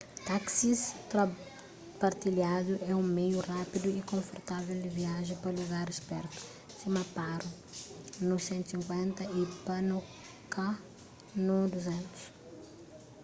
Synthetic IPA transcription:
t̪aksist̪ɾa | pɐɾt̪iljad̪uʔɛũmejurapid̪uikõfoɾt̪avɛld̪iviaʒẽpɐluɡaɾespɛɾt̪u̥ | simɐpaɾu | nusẽnt̪u̥sĩŋkwẽnt̪ɐipɐnu | ka | nud̪uzẽnt̪u̥s

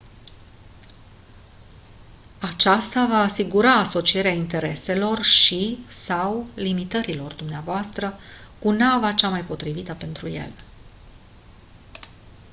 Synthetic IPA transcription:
at͡ʃast̪avaːsiɡuɾaːso̞t͡ʃie̞ɾeaint̪e̞ɾe̞se̞lo̞rʃisawlimit̪əɾilo̞rd̪umneavoast̪ɾə | kunavat͡ʃamajpo̞t̪ɾivit̪əpe̞nt̪ɾujḛl

